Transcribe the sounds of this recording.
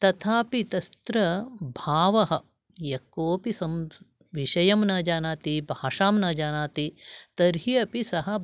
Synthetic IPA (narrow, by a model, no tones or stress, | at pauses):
t̪ɐt̪ʰaːpit̪ɐst̪ɾɐbʱaːʋɐɦɐ̆ | jɐkoːpisɐm | ʋiʃɐjɐmnɐːd͡ʒaːnaːt̪ibʱaːʂaːmnɐːd͡ʒaːnaːt̪it̪ɐɾɦiɐpisɐɦɐ̆